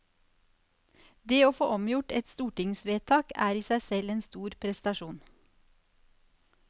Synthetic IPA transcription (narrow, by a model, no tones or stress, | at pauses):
d̪eːoːfoːʔɔmjʊʈɛt̪st̪uːʈɪŋsʋeːt̪ʰɑːkæ̰ːɾiːsæɪsɛleːnst̪uːɾpʰɾɛst̪ɑʃuːn